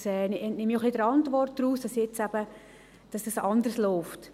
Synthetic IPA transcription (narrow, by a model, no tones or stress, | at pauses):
sɛːnɛnnɪmːijoχlidəɾɑntvʋɔrt̚d̥ɾuːsd̥ɑsjet͡sæb̥ə | d̥ɑsd̥ɑsɑndərsloʊft